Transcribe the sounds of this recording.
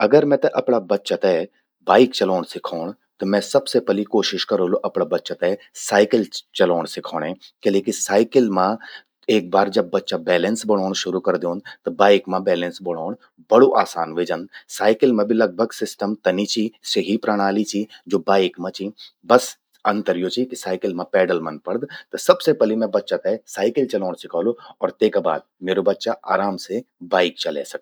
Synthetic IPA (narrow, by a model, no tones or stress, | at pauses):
ɐɡəɾmɛ̃ːt̪ɛ̃ʔɐpɳabɐtːʃat̪ɛ | baːɪkt͡ʃəloːɳsɪkʰaːɳ̃ | t̪omɛ̃ːsɐbsepɛlikoːʃɪʃkəɾõloʔɐpɳabətːʃat̪ɛ | saːɪkəlt͡ʃɐloːɳ̃sɪkʰɔːɽ̃ɦɛ̃ːkeleːkisaːɪkɪlmã | eːk̚baːɾd͡ʒəbːətːʃabɛːlə̃nsbəɽ̃ɔːɳ̃ʃʊɾukəɾd̪eõnd̪t̪ɐbaːɪkmãbɛːlə̃nsbəɽ̃ɔːɳ̃ | bɐɽoʔaːsaːnʋeːd͡ʒə̃nd̪saːɪkɪlmẽbʱilɐɡ̚bʱəɡsɪsʈəmt̪ɐnit͡ʃiseɦipɾaɽ̃aːlit͡ʃid͡ʒoːbaːɪkmãt͡ʃibɐs | ɐ̃nt̪əɾjot͡ʃikisaːɪkɪlmãpɛːɖəlmɐnpɐɽd̪t̪ɐsɐbsepɛlimɛ̃bɐtːʃak̪ɐsaːɪkɪlt͡ʃɐloːɽ̃sɪkaːloɔːɾt̪eːkaba̰ːd̪̚meːɾobɐtːʃaʔa̰ːɾaːmsebaːɪk̚t͡ʃɐlḛːsɐk̚ː